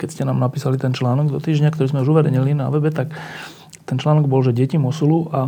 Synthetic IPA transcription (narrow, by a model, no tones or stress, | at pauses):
kɛcscɛnaːmnapiːsalit̪ɛnt͡ʃlaːnɔɡd̪ɔt̪iːʒɲakt̪ɔɾiːzmɛuʒuʋɛɾɛɲilina̰ʋɛbɛt̪ak | t̪ɛnt͡ʃlaːnɔɡ̚bɔlʒɛɟɪɛcimɔsuluʔa